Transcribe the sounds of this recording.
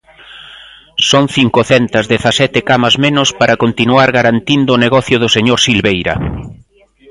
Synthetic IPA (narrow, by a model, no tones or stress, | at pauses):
soŋθiŋkʊθɛnt̪ɐzðeθasɛt̪ɪkamɐzmẽnʊspaɾakont̪inuaɾɣaɾant̪ind̪ʊːneɣɔθjʊðʊseɲoɾsilβejɾɐ̰